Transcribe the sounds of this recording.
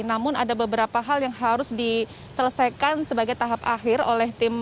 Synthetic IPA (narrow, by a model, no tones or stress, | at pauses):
namʊnadabəbəɾapaɦaljaŋhaɾʊsdi | sələsajkansəbaɡajt̪aɦapa̰hɪro̰lɛht̪ɪm